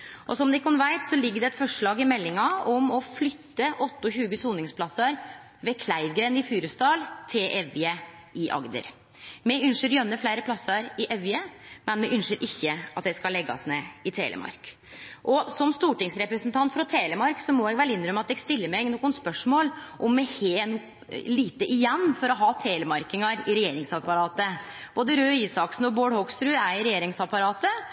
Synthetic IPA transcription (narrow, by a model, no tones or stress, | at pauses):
ʔɔsɔmd̪ɛkʰɑnʋæɪt̪sɔlɪɡːəɖɛɛt̪fɔʂɭɑːɡɪmɛlːɪŋɑɔmɔflʏt̪ːəʔɔt̪ːɔçʉːɡəsuːnɪŋspʰlɑsəɾ | ʋeːkʰlæɪʋɡɾeːnɪfyːɾəst̪ɑːlt̪ʰɪlʔɛʋɪə | ɪʔɑ̰ɡd̪ə̰ɾ | mɛʉnʃəɾjœnːəflæɪɾəpʰlɑsəɾɪʔɛʋɪəmɛnmɛʔʉnʂəɾʔɪçːəɑt̪̚d̪ɛskɑlɛɡːɑ̰snḛːɪt̪ʰḛlʔə̰mʔɑ̰ɾk | ʔɔsɔmst̪uːʈɪŋsɾɛpɾəsnt̪ʰɑnt̪fɾɑt̪ʰeːləmɑɾksɔmɔɛɡʋɛlːɪnːɾœmːəɑt̪ɛɡst̪ɪlːəɾmɛɡnɔːkːʊnspœʂmoːlʔɔmːɛheːn | liːt̪əʔɪjɛnːfɔɾɔɦɑːt̪ʰeːləmɑɾkɪŋɑɾɪɾɛjeːɾɪŋsɑpɑɾɑːt̪ə | b̥oːd̪əɾøːiːsɑksn̩ɔboːɽhɔksɾʉæɪɾɛjeːɾɪŋsɑpɑɾɑːt̪ə